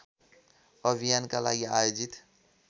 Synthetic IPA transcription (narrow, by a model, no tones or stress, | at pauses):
əbʱijankalaːɡiaːjoːd͡ʒit̪